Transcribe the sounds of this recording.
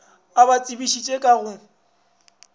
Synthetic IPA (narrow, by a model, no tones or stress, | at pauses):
abat͡sʼibiʃit͡ʃʼekʼaɣʊ